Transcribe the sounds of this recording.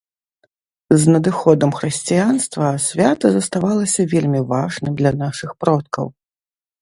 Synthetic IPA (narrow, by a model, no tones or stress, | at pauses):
znɐd̪ɨxɔd̪ɐmxɾɨsʲt͡sʲijanst̪vɐsʲvʲat̪ɐzɐst̪avalˠɐsʲɐvʲelʲmʲivaʐnɨmd̪lʲɐnaʂɨxpɾɔt̪̚kɐ̰w